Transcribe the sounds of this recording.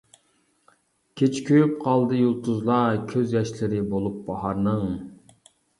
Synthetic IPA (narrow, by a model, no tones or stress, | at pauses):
kʲʰet͡ʃʰkʲʰøjyp̚qʰɑlˠd̪ɨjulˠt̪ʰuzlˠɑkʲʰøzjɛʃlɪɾɪbolˠup̚bɑɦɑɾnɨŋ